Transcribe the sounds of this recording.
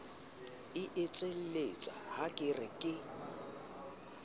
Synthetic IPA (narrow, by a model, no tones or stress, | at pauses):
ɪʔɪt͡sʼel̩let͡sʼa̰hakʼɪrɪkʼɪ